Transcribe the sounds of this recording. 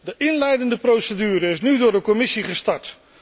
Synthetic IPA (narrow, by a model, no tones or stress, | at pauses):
dəʔɪnlɛjdəndəprowsədyːɾəɪsnydʊːɹdəkɔmɪsiχəstɑɹt